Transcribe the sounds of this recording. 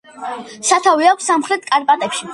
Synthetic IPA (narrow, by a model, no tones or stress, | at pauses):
sat̪ʰaviakʷʰsamχɾɛt̪̚ʰkʼaɾpʼat̪ʼɛpʃi̥